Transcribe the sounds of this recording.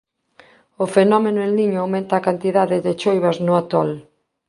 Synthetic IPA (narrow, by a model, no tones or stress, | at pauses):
ʊfenɔmenʊẽnliɲʊawmẽnt̪aːkant̪iðaðɪðɪt͡ʃojβɐznʊat̪ɔl